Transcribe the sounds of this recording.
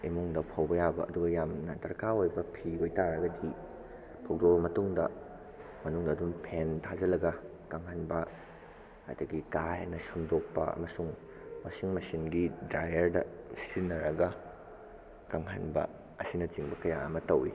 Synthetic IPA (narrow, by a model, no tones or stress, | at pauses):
imuŋdɐpʰawbɐjabɐʔɐduɡɐjamnɐtɐɾkaojbɐpʰiojtaɾɐɡɐdi | pʰɐwdobɐmɐtuŋdɐ | mɐnuŋdɐːdumpʰentʰazɐlɐɡɐ | kaŋhanbɐ | ɐ̰dɐɡikajnɐsɐmdok̚pɐ̰ɐ̰mɐsuŋ | mɐsiŋmɐsiŋɡidɾajɐɾdɐsinːɐɾɐɡɐ | kaŋɦanbɐ̰ | ɐsinɐt͡ʃiŋbɐkɐja̰ɐmɐtɐwḭ